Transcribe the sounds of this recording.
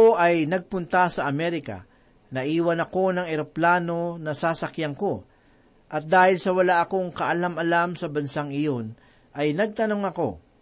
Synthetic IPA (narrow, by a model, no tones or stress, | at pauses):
oʔɐjnɐɡ̚pʊnt̪ɐsɐʔɐmɛɾɪkɐ̰ | nɐʔiːwɐnɐko̞nɐŋɛɾoplaːno̞nɐsaːsɐkjɐŋko̞ | ʔɐt̪̚d̪aːhɪlsɐwɐlaʔɐko̞ŋkɐʔɐlamɐlamsɐbɐnsaŋɪjo̞n | ʔɐjnɐɡ̚t̪ɐno̞ŋɐko̞̰